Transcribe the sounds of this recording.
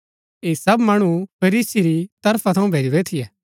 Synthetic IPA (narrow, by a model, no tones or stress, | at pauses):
eːsɐbmaːɽ̃upʰɐɾiːsiɾit̪ɐɾpʰat̪ʰɐũbʱeːɾiɾet̪ʰijɛː